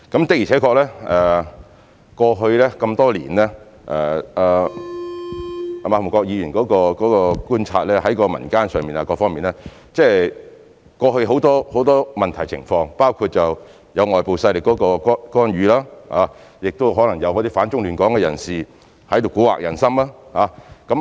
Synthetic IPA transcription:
kɐ˨˥mt̪ɪ˨k̚ji˨t͡sʰɛ˨˥kɔː˧k̚lɛː˥ʔɛː˨ | kɔː˧ɦɵ˧ɥlɛː˥kɐ˧mt̪ɔː˥lḭː˨˩nlɛː˥ | ʔɛ˨aː˨ | maː˨˩fʊ˨˩kɔː˧k̚jiː˨˧jyː˨˩nkɔː˨˥kɔː˧kɔː˨˥kɔː˧kuː˥nt͡sʰa̰ː˧t̚lɛː˥ɦɐ˨˥jkɔː˧mɐ̰˨˩nkaː˥nsœː˨ŋmiː˨na˨˧kɔː˧fɔː˥ŋmiː˨nɛ˥ | t͡sɛː˥˩ | kɔː˧hɵ˧ɥɦo˨˥wt̪ɔː˥ho˨˥wt̪ɔː˥mɐ˨nt̪ʰɐ˨˩jt͡sʰɪ̰˨˩ŋfɔː˧ŋpaː˥wkʰu˧t̚t͡sɐ˨w | jɐ˨˧wŋɔː˨˩jpo˨wsɐ˧jlɪ˨kːɔː˨˥kɔː˧kɔ˥kɔː˥nɥyː˨˧laː˥haː˨˧˥jɪ˨k̚t̪o˥wɦɔː˨˥lɐ˨˩ŋjɐ˨˧wkɔ˨˧t̪iː˥faː˨˥nt͡ʃʊ˥ŋlyː˨˩nkɔː˨˥ŋkɛː˧jɐ˨˩nsiː˨ | hɐ˨˥jt̪o˨˧wkuː˨˥wa̰˨k̚jɐ˨˩nsɐ˥mlaː˥haː˨˧˥kɐ˨˥m

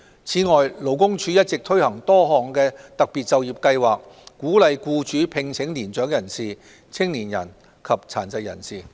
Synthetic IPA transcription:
t͡sʰiː˨˥ŋɔː˨jlo˨˩wkʊ˥ŋt͡ʃʰyː˨˧jɐ˥t̚t͡sɪ˨k̚t̪ʰɵ˥ɥhɐ˨˩ŋt̪ɔː˥ɦɔː˨˩ŋkɛː˧t̪ɐ˨k̚pi˨t̚t͡sɐ˨˧wjiː˨˩p̚kɐ˧jwaː˨˩k̚kːuː˨˥lɐ˨jkuː˧t͡ʃyː˨˥pʰɪ˨˧ŋt͡sʰɪ˨˥ŋliː˨˩nt͡ʃœː˨˥ŋjɐ˨˩nsiː˨˩ | t͡sʰɪ˥ŋliː˨˩njɐ˨˩n | kʰɐ˨p̚t͡sʰaː˨˩nt͡sɐ˨jjɐ̰˨˩nsiː˨˩

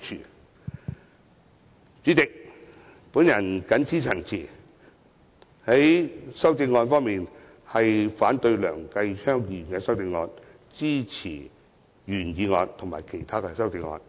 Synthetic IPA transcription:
t͡ʃʰy̰ː˨˩ | t͡syː˨˥t͡sɪ˨k̚ | pu˨˥njɐ˨˩nkɐ˨˥nt͡sʰiː˥t͡sʰɐ˨˩ŋt͡sʰiː˨˩ | hɐ˨˥jsɐ˥wt͡sɪ˧ŋːɔː˧nfɔː˥ŋmiː˨n | hɐ˨jfaː˨˥nt̪ɵ˧ɥlœ̰ː˨˩ŋkɐ˧jt͡ʃʰœː˥ŋji˨nkɛː˧sɐ˥wt͡sɪ˧ŋːɔː˨˧n | t͡siː˥t͡sʰḭː˨˩ | jyː˨˩njiː˨˧ŋɔː˧nt̪ʰŋma̰ː˨˩jkʰe˨˩jt̪ʰaː˥kɛ˧sɐ˥wt͡sɪ˧ŋːɔ̰ː˧n

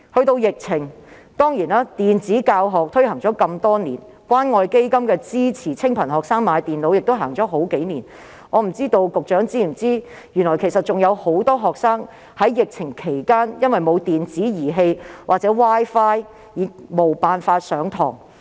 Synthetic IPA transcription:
hɵ˧ɥt̪o˧wjɪ˨k̚t͡sʰɪ˨˩ŋt̪ɔː˥ŋjiː˨˩naː˥t̪iː˨nt͡siː˨˥kaː˧wɦɔː˨k̚t̪ʰɵ˥ɥhɐ˨˩ŋt͡ʃɔː˨˥kɐ˧mt̪ɔː˥niː˨˩n | kwaː˥nŋɔː˧jke˥jkɐ˥mkɛː˧t͡siː˥t͡sʰiː˨˩t͡sʰɪ˥ŋpʰɐ˨˩nhɔː˨k̚saː˥ŋmaː˨˧jt̪iː˨nlo˨˧wjɪ˨k̚t̪o˥wɦa̰ː˨˩ŋt͡ʃɔː˨˥ɦo˨˥wke˨˥jniː˨˩n | ŋɔː˨˧m̩˨˩t͡siː˥t̪o˧wkʊ˨k̚t͡ʃœː˨˥ŋt͡siː˥m̩˨˩t͡siː˥ | jy˨˩nlɔː˨˩jkʰe˨˩jsɐ˨˩t̚t͡ʃʊ˨˩ŋjɐ˨˧who˨˥wt̪ɔː˥ɦɔː˨k̚saː˥ŋ | hɐ˨˥jːɪ˨k̚t͡sʰɪ˨˩ŋkʰe˨˩jkaː˥njɐ˥nwɐ˨jmo˨˧wt̪iː˨nt͡siː˨˥jiː˨˩ɦe˧jwʔaː˨k̚t͡sɛ˨˥waː˥jfaː˥j | jiː˨˧k̚mo˨˩wpaː˨nfaː˧t̚sœː˨˥ŋt̪ʰɔ̰ː˨˩ŋ

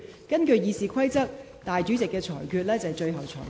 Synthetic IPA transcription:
kɐ˥nkɵ˧ɥjiː˧siː˧kʰɐ˥jt͡sɐ˥k̚ | t̪aː˨jt͡ʃyː˨˥t͡sɪ˨kːɛː˧t͡ʃʰɔː˨˩jkʰyː˧t̚lɛː˥t͡sɐ˨jt͡ʃɵ˧ɥɦɐ˨˩wt͡ʃʰɔ̰ː˨˩

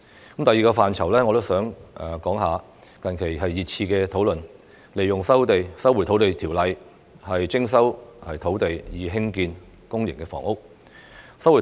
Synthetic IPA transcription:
kə˨˦mt̪ɐ˨jːiː˨kɔː˧faː˨nt͡sʰɐ˨˩wlɛː˥ŋɔ˨˧t̪o˥wsœː˨˥ŋʔɛː˨kɔː˨˥ŋɦaː˨˧ | kɐ˨nkʰe˨˩jɦɐ˨jːiː˨t̚t͡sʰiː˧kɛ˧t̪ʰo˨˥wlɵ˨n | le˨˩jːʊ˨ŋsɐ˥wt̪e˨jsɐ˥wu˨˩t̪ʰo˨˥wt̪e˨jt̪ʰiː˨˩wlɐ˨j | hɐ˨jt͡sɪ˥ŋsɐ˥whɐ˨jt̪ʰo˨˥wt̪e˨jjiː˨˧ɦɪ˥ŋkiː˧n | kʊ˥ŋjɪ̰˨˩ŋkɛː˧fɔ̰ː˨˩ŋʊ˥k̚ | sɐ˥wu˨˩

